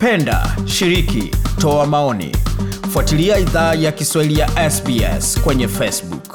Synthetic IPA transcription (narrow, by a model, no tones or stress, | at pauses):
pɛnda̰ʃiɾikḭtɔamaɔnḭfuatiliaiðaːjakiswahilijaʔɛsbiɛ̰skwɛɲɛfɛsbuk